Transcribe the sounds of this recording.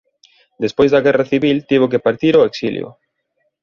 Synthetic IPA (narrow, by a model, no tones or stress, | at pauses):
d̪espojzðɐɣɛraθiβilt̪iβ̞ok̬epaɾt̪iɾoeksiljʊ̰